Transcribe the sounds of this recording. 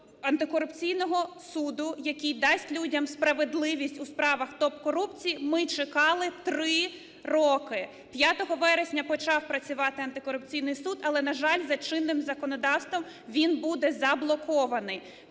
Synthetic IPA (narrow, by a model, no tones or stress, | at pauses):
ɐnt̪ɪkɔɾʊpt͡sʲijnɔɦɔsud̪ʊjɐkʲijd̪ɑsʲtʲlʲudʲɐmspɾɐʋed̪lˠɪʋʲisʲtʲuspɾɑʋɐxt̪ɔp̚kɔɾupt͡sʲijimɪt͡ʃɪkɑlˠɪt̪ɾɪ | rɔkɪ | pʲjat̪ɔɦɔʋɛɾesʲnʲɐpɔt͡ʃɑwpɾɐt͡sʲʊʋɑt̪ɪɐnt̪ɪkɔɾʊp̚t͡sʲijnɪjsud̪ɐlˠɛnɐʒɑlʲzɐt͡ʃɪnːɪmzɐkɔnɔd̪ɑwst̪ʋɔm | ʋʲinbud̪ɛzɐblˠɔkɔʋɐnɪj